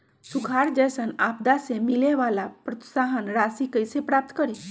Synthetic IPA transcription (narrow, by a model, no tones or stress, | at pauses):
sukʰaɾd͡ʑəjsənap̚d̪asemileʋalapɾɔt̪saɦənɾasikəjsepɾap̚t̪ə̥kəɾe